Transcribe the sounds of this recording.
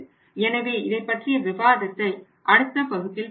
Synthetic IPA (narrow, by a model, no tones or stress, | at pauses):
ɛnɐʋeːɪðɐɪpːɐʈrɪjɐʋɪbaːðɐt̪ːɐɪ | ʔɐɽɯt̪ːɐpɐɣɯt̪ːɪl